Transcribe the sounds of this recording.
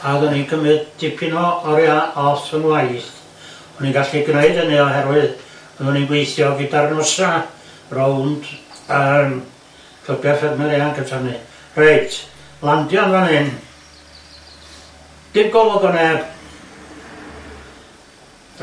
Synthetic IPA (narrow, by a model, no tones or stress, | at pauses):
aðɔninkʰəmɨðd̥ɪpʰinɔɔɾiaʔɔθənwajɬ | ɔniɡaɬiɡneɨdənɨɔɦɛɾwɨð | əðɔninɡwejθjɔɡidarnɔsa | rownd̥əm | kʰəbjɔsɛdmɛlianɡətʰanɨ | reɨtʰ | lˠandjɔnvanɨn | d̥ɪmɡɔlˠɔɡɔnɛb̥